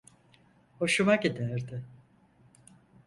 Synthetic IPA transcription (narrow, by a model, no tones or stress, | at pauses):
ho̞ʃumakid̪æɾd̪ɪ